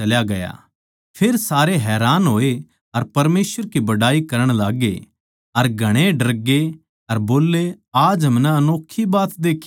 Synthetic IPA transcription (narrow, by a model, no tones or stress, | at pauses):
ɐljaɡɐja̰ | pʰeːɾsaːɾeɦɛːɾaːnɦoːe | ɐɾpɐɾmeːsʋəɾkibɐɽaːikɐɾəɽ̃laːɡḛ | ɐɾɡʱɐɽ̃eɖɐɾɡe | ɐɾboːlːe | aːd͡ʒɦɐ̃mnɛɐnoːkʰːibaːt̪d̪eːkʰː